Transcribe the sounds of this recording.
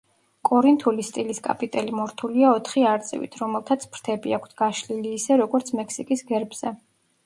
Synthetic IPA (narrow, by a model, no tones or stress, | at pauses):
kʼɔɾint̪ʰulist̪ʼiliskʼa̰pʼit̪ʼɛlimɔɾt̪ʰuliaɔt̪ʰχiaɾt̪sʼɛ̰vḭt̪ʰɾɔmɛlˠt̪ʰat̪sʰpʰɾt̪ʰɛbiakʰt̪ʰɡ̥aʃliliːsɛɾɔɡɔɾt̪sʰmɛkʰsikʼisɡɛɾbz̥ɛ